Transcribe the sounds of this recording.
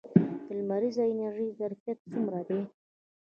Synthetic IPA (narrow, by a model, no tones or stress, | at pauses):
d̪̥əlmaɾizaɪnaɾʒəjzaɾfjat̪̚t͡sumɾad̪e